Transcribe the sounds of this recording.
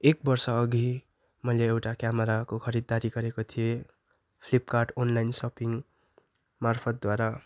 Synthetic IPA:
ek̚bʌrsʌːɡʱi | mʌjleːwʈakjamʌɾakokʰʌɾid̪ːaɾiɡʌɾekot̪ʰije | pʰlipkarʈonlajnsʌpiŋ | marpʰʌt̪̚d̪waɾa

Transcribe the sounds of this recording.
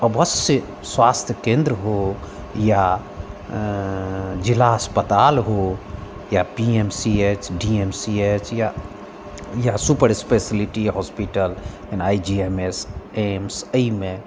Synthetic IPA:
əbəsjə | swast̪ʰjəkẽnd̪ɾəɦo | ja | d͡ʒilaɦəspət̪alɦo | japiemsiet͡ʃɖiemsiet͡ʃja | jasupəɾispesiliʈiɦɔspiʈəl | enaid͡ʒiemesemsəime

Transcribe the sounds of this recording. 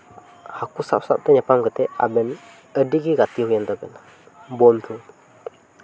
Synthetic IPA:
hakusa̰p̚sa̰p̚t̪aɲapaŋkət̪ɛa̰bɛn | ədiɡiɡat̪iɦujant̪abɛna | bɔnt̪ʰu

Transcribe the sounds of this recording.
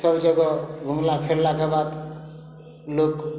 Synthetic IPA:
səbd͡ʒəɡɔɡʱumlapʰeɾlakabad̪ | lok

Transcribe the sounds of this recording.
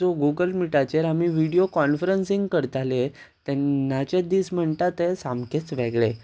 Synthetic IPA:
oɡuɡəlmiʈat͡ɕeɾamiːʋiɽijokɔnfɾənsĩŋɡkəɾt̪ale | t̪ɛnːat͡ɕed̪iːsm̤əɳt̪at̪esamket͡sʋeɡɭe

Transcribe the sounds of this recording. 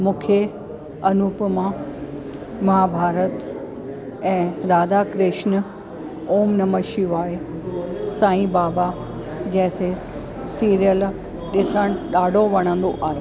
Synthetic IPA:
mũːkʰe | ɐnupmã | mɐɦabʱaːɾət̪ | ɛ̃ːɾaːd̪akɾɪʃnə̆ | oːmnɐməʃijuaːɦe | sãːĩbaːba | d͡ʑɐ̃ɦɪ̃se | siːɾijəl | ɗɪsəɽ̃ɗaːɖʱoʋɐɽ̃ə̃nd̪oʔaːɦeː

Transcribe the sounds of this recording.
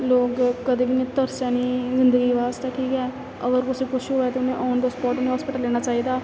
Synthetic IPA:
loːkkəd̪eːbinẽːt̪əɾsaːnĩːzɪnd̪əɡiːʋaːst̪eːkʰiːkɛː | əɡəɾkʊsẽːkʊʃʰɦoːɛːt̪eʊnẽʔaːnd̪aːspɔːʈnẽːɦaːspɪʈəlːeːnaːt͡ʃaːiːd̪aː

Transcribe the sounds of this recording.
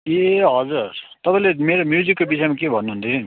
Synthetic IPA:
eɦʌd͡zuɾt̪ʌpãĩlemeɾomjud͡zikːobisajmakebʱʌnːuɦũnt̪ʰiin

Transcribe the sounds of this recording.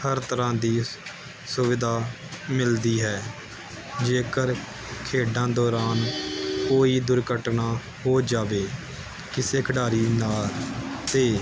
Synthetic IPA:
həɾt̪əɾãːd̪iː | sʊʋɪd̪aː | mɪld̪iːɦɛː | d͡ʒeːkəɾ | kʰeːɖãːd̪ɔːɾaːnkoːiːd̪ʊɾkəʈnaː | hoːd͡ʒaːʋeː | kɪseːkʰəɖaːɾiːnaːlt̪eː

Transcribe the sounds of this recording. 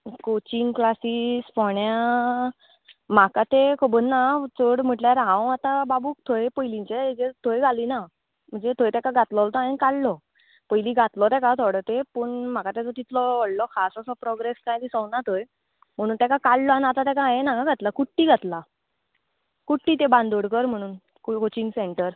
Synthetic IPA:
kot͡ɕiŋɡklasiːsfɔɳja | m̤akat̪ekʰobənːat͡soɽm̤əʈljaɾɦãwat̪ababuːk̚t̪ʰoepəjlĩɲt͡ɕed͡ʑet̪ʰojɡʱaliːna | m̤əɳd͡zet̪ʰojt̪ɛkaɡʱat̪lɔlt̪ɔaɦenkaɭlɔ | pəjliːɡʱat̪lɔt̪ɛkat̪ʰoɽət̪epəːɳm̤akat̪ed͡zɔt̪it̪ʰlɔʋəɽlɔkʰasasɔpɾɔɡɾeskãjd̪isɔwnat̪ʰoj | m̤əɽ̃uːnt̪ɛkakaɭlɔanat̪at̪ɛ̃kãaɦenakaɡʱat̪lakuʈːiːɡʱat̪la | kuʈːiːt̪ebãnd̪oɽkəɾm̤əɽ̃uːn | kkot͡ɕiŋɡseɳʈəɾ

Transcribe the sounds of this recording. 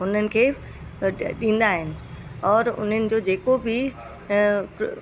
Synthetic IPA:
ʊn̤ənɪ̆kʰeː | ɗĩːn̆d̪aːɦɪnɪ̆ɔːɾʊ̰n̤ənɪ̆d͡ʑoːd͡ʑeːkobɪ

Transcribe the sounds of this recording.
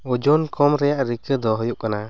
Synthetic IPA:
ɔd͡ʒɔnkɔmɾɛjaʔɾikəd̪ɔɦɔjuʔkana

